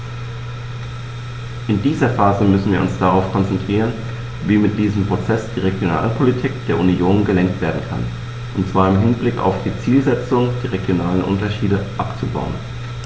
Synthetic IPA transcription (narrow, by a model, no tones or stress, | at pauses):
ʔɪndiːzɐfaːzəmʏsn̩viːɐʔʊ̰nsd̥aʁaʊfkʰɔnt͡sɛntʁ̥iːʁən | viːmɪt̚d̥iːzəmpʁ̥ot͡sɛsd̥iːʁ̞eɡjona̰ːlpʰolitʰiːkd̥eːɐʔunioːnɡəlɛŋk̚tv̥eːɐdn̩kʰa̰n | ʔʊntt͡sv̥aːɐɪmɦɪnblɪka̰ʊfd̥iːt͡siːlzɛt͡sʊŋd̥eːʁeɡjonaːlənʔʊ̰ntɐʃiːdəʔapt͡suba̰ʊən